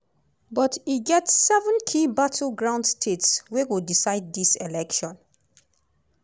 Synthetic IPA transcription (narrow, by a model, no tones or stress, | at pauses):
bɔtiɡɛtsːɛvə̃nkʰibatʰl̩ɡɹãʊ̃ndstʰetswewidisaɪd̚diselɛkʃɔ̃n